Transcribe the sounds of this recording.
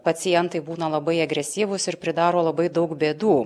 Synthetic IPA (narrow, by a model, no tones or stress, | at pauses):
pɐt̪sʲɪjɛnt̪ɐɪbuːnɐlˠɐbɐɪɐɡɾʲɛsʲiːʋʊsɪɾpʲɾʲɪd̪ɑːɾoːlˠɐbɐɪd̪ɐʊkbʲeːd̪uː